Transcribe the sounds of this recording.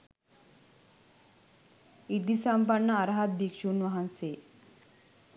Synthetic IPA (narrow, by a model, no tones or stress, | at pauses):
id̪isampaɳːaːɾɦat̪̚bʱikʂuːnʋaɦanse